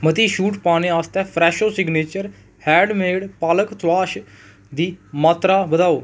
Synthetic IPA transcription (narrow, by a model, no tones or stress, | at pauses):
mət̪iːʃuːʈpaːneːaːst̪ɛːpʰɾɛːʃoːsɪɡneːt͡ʃəɾ | hɛːɖmeːɽpaːləkt̪waːʃ | d̪iːmaːt̪ɾaːbəd̪aːoː